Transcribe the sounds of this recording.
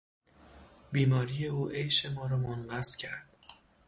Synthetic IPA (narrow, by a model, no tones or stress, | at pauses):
biːmɒːɾije̞uːʔejʃe̞mɒːɾɒːmonɢæscʰæɾd̪̥